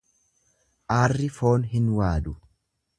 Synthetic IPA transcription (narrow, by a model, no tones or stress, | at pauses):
ʔaːrːɪfo̞ːnɦɪnwaːd̪ʊ